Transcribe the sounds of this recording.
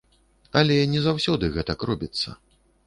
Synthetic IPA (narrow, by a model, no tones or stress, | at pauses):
ɐlʲɛnʲɛzawsʲɔd̪ɨɣɛt̪ɐkrɔbʲit̪sːɐ̰